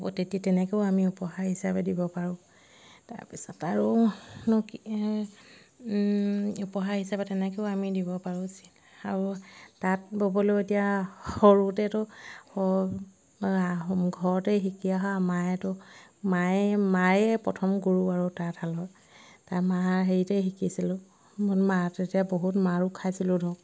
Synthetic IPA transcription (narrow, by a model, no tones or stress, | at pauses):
bo̰tetitɛnɛkeʊamiupɔɦaɹɦisabɛdibɔpaɹʊ̃ | ta̰ɹpisɔtaɹunɔk | upɔɦaɹhisabɛtɛnɛkeʊamidibɔpaɹusi̥l | aɹutat̚bobɔleetijaxɔɹutɛtʊɔ | ɡʱɔɹɔtɛxikiaɦaamajɛtʊmajmajɛpɹɔtʰɔmɡuɹuaɹutatalɔj | tajmaaɦeɹitɛxikisilʊ | munmatetijaboɦutmaɹukʰːajsilʊdʱɔk